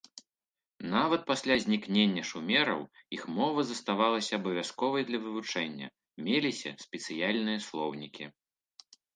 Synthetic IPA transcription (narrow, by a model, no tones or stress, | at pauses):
navɐt̪̚pasʲlʲazʲnʲiknʲenʲːɐʂumʲɛɾɐ̰wixmɔvɐzɐst̪avalˠɐsʲɐːbɐvʲaskɔvɐjd̪lʲɐvɨvut͡ʂɛnʲːɐ̰ | mʲelʲisʲɐ̰sʲpʲɛt̪sɨjalʲnɨjɐslˠɔwnʲikʲḭ